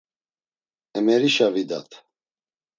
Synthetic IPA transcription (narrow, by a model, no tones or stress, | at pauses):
ɛmɛɾiʃavid̪at̪ʰ